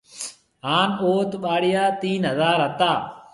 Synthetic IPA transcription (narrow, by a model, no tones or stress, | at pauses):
ɦaːnoːt̪ɓaːɽɪjaːt̪iːnɦəzaːɾɦət̪aː